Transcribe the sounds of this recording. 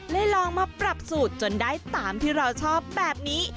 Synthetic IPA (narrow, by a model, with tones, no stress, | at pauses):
la˦˥jlɔː˧ŋmaː˧pɾa˨˩p̚suː˨˩t̪̚t͡ɕo˧ndaː˥˩jt̪aː˩˦mt̪ʰiː˥˩ɾa˧wt͡ɕʰɔː˥˩p̚bɛː˨˩p̚niː˦˥